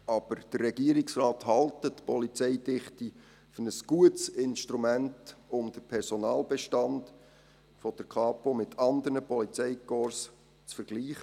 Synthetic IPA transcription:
ʔɑb̥əɾd̥ərːɛɡiəɾɪksrɑːthɑltətpɔlit͡sɛɪdɪχti | fnəsɡ̥uətsɪnʃtɾumæntʊmd̪̥əpʰɛɾsɔnɑːlbɛʃtɑnd | fɔd̥əɾkʰɑːpomɪtʰɑnd̪əɾnəpɔlit͡sɛɪkɔɾs | t͡sfəɾɡ̥liːχə

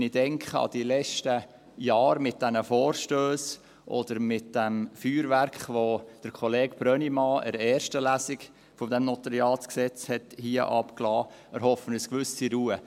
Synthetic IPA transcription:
nid̥ɛŋkʰχəɑ̰d̥ilɛt͡ʃtə | jɑːɾmɪt̚d̥ɛnəfoːɾʃtøːs | ʔɔ̰dəɾmɪt̚d̥ɛmfyːɾvæɾkχʋod̥əɾkʰχɔleːkb̥ɾœnimɑːʔɛɾɛːɾʃtəlæsɪk | fɔd̥ɛmnɔtəɾiɑːlt͡sksɛt͡shɛthiːəʔɑpklɑː | əɾhɔfənəskʋʏsiɾuːə

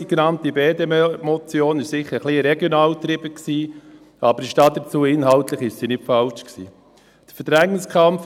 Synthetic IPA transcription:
iɡenɑnt̪ibeːd̪emmɔt͡sjoːnɪʃsɪχːəɾχliɾɛɡjonɑːlt̪ɾɪbəksiː | ɑbəɾʃtɑd̪ət͡suːɪnɦɑltləχɪʃsinɪtfɑlt͡ʃksḭː | d̥ə̥fəɾdɾæŋːənskʰɑmf

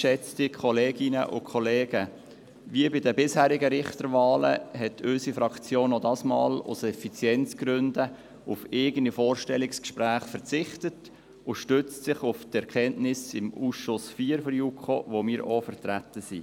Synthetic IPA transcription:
ʃɛt͡stikʰɔleːɡɪnə̰ʔʊ̰kʰɔleːɡ̥ə | ʋiːbɪdəbɪshæːɾɪɡəɾɪχt̪əɾvɑːlə̰ɦɛtʰʏsifɾɑkt͡sjoːnɔdɑsmɑ̰ːlʊ̰sɛfit͡sjɛnt͡sɡ̥ɾʏndə | ʊfeːɡənifoːɾʃtɛlɪkskʃpɾæːχfəɾt͡sɪχtət | ʊʃtøt͡stsɪχʊftɛɾkɛnʔnɪsɪmuːsʃʊsfiːɾfɔɾjukʰχoʋomɪːɾʔofəɾtɾætəsi

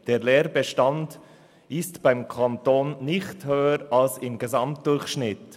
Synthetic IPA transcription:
d̥eːleːɾbɛʃtand | ɪstb̥aɪmkʰantoːnːɪçthøːəɾalsɪmɡezɑmt̚d̥ʊɾçʃnɪt

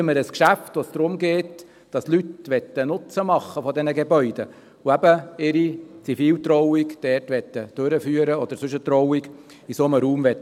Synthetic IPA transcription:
əməɾəskʃæft̪ʋosd̪̥ɾʊmɡeːt | d̥ɑslyt̪ʋɛt̪ːənʊt͡səmɑχːəfɔdɛnəɡebœʏd̪ə | uæbəɪɾit͡sifiːlt̪ɾɔwikd̪̥ɛrtʋɛt̪ːəd̥øɾəfyːəɾəɔd̪əɾsɵʃət̪ɾɔʊiɡ | isoməɾuːmʋɛt

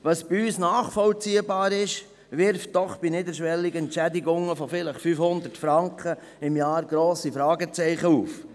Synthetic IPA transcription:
ʋɑsb̥iyːsnaːχfɔlt͡siːəbɑːɾɪʃ | ʋɪɾft̚d̥ɔχb̥inɪdəɾʃʋɛlːiɡəɛntt͡ʃædiɡʊŋəfɔfɪləχfyːfhʊnd̪ətfɾɑŋkχə | ɪmjɑːɾɡ̥ɾoːsifɾɑːɡət͡sɛɪχəuːf

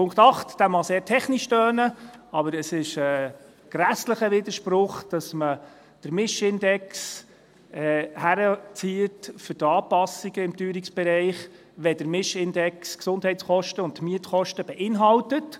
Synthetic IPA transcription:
pʰʊŋktɑχtd̥æmɑseːɾtʰɛχniʃtœːnəɑbəɾəsɪʃə | ɡ̥ɾæsləχəʋɪd̪əɾʃpɾʊχd̥ɑsmə | d̥əɾmɪʃɪndɛks | ɛhæɾət͡siətfʏtɑːpɑsiɡ̥əɪmtyːɾiksb̥ɛɾɛɪχ | ʋɛd̥əɾmɪʃɪndɛksksʊndhɛɪtt͡sχɔʃtəʊntmiətχɔʃtəb̥ɛʔɪnɦɑltət

